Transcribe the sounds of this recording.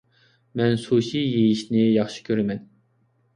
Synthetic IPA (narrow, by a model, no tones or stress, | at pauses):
mɛnsuʃijejiʃnɪjɑχʃɨ̥kʲʰøɾɛmɛn